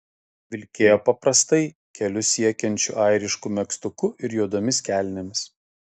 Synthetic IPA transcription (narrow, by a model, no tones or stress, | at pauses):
ʋʲɪlʲkʲeːjɛpɐpɾɐst̪ɐɪ | kʲɛlʲʊsʲiɛkʲɛnʲt͡ʃʲʊ̰ʔɑˑɪɾʲɪʃkʊmʲɛkst̪ʊkʊɪɾjuɔd̪oːmʲɪskʲæːˑlʲnʲɛmʲɪs